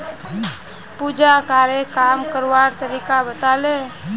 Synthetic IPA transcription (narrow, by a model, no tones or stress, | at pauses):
pud͡ʒakaːɾekaːmkəɾwaɾt̪əɾiːkabət̪ale